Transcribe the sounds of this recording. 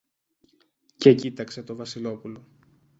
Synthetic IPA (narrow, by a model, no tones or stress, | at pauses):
cecit̪ɐkse̞t̪o̞vɐsilo̞pulo̞